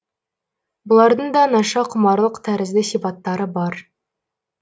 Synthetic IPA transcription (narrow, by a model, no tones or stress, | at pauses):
bŏlˠɑɾd̪ɤɴd̪ɑnɑʃɑqʰŏmɑɾlˠɤqt̪ʰæɾɘ̆zlɘsifɑt̪ːɑɾɤbɑɾ